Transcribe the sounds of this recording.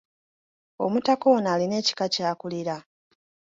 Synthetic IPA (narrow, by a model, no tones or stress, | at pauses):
o̞̰mutakonaːline̞ːci̥kacaːkuliɾa